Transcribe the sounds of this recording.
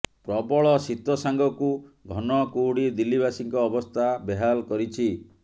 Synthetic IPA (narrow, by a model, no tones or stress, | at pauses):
pɾɔbɔɭɔsit̪wɔsaŋɡɔkuɡʱɔnɔkuɦɽid̪ilibasiŋkɔːbɔst̪ʰabeɦalkɔɾit͡ʃʰi